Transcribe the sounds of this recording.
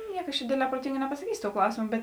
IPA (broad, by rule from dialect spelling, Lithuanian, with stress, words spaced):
ˈnʲiɛk ɐʃ t͡ʃʲɛ ˈdʲeːdʲˌlʲɛː proːˈtʲɪŋɡɐ nʲɛpɐsɐˈkʲiːsʲoː toːʊ ˈklˠɐʊsʲɪmoː ˈbʲɛt